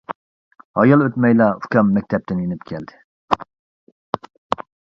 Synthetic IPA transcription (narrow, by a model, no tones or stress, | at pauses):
hɑ̰jɑlˠøt̪mɛjlɑukʰʲɑmːɛk̚ʲt̪ʰɛp̚t̪ʰɪnjenɪpkʲʰɛld̪ɪ